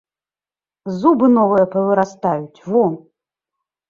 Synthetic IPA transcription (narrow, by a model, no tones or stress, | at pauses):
zubɨnɔvɨjɐpɐvɨɾast̪ajut͡sʲvɔ